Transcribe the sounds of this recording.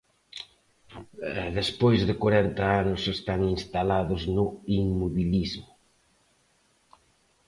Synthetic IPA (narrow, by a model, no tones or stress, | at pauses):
ɛðespojzðɪkwaɾɛnt̪ɐanʊsest̪aŋinst̪alaðʊznʊiŋmoβilizmʊ